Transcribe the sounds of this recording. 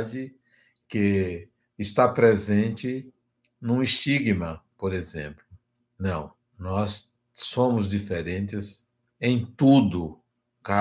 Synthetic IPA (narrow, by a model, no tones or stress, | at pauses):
d͡ʒɪ | kɪ | ɪst̪apɾezẽnt͡ʃɪ | nũist͡ʃiɡmɐpoɾezẽmplʊ | nɐ̃w̃ | nɔs | sõmʊzd͡ʒifeɾẽnt̪ɪz | ẽj̃t̪ud̪ʊ | ka